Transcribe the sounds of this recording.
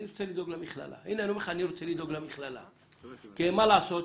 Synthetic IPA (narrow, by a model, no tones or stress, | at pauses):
iɾt͡s̪ʰɛlid̪ɔɡlamiχla̰la̰inanɔmɛχaniɾt̪sʰɛlid̪ɔɡlamiχlala̰ | ɡ̥ɛmalasɔ